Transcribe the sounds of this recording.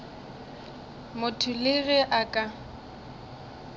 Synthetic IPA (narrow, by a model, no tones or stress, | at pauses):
mʊtʰʊlɪɣɪʔakʼa